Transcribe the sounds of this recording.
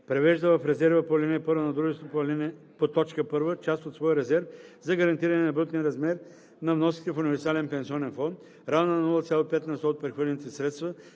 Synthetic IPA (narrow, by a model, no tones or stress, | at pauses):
pɾɛvɛʒd̪əvɐfɾɛzɛɾvəpolʲɛnɛɛpɤɾvənɐd̪ɾuʒɛst̪vopolɛnɛ | pot̪ɔt͡ʃkəpɤɾvət͡ʃast̪ot̪svɔjəɾɛzɛɾfzɐɡɐɾɐnt̪iɾɐnɛnɐbɾut̪niɾɐzmɛɾ | nɐvnɔskʲi̥t̪ɛfʊunivɛɾsalɛnpɛnsiɔnɛnfɔnt̪ | ɾannɐnulˠət̪sʲjalˠopɛt̪nɐst̪oot̪̚pɾɛxvəlʲɛnit̪ɛsɾɛt̪st̪və